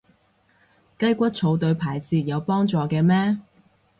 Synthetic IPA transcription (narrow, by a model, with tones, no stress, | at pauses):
kɐ˥jkʷɐ˥t̚t͡sʰo˨˧wt̪ɵ˨˧ɥpʰaː˨˩jsiː˧jɐ˨˧wpɔː˥ŋt͡sɔː˨˧kɛː˧mɛː˥